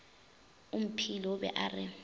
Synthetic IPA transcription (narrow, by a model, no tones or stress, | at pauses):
um̩pʰilɔbɛ̰ʔarɪ